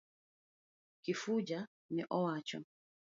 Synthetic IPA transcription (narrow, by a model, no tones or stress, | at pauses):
kifud͡ʒa | niʔɔwat͡ʃɔ̰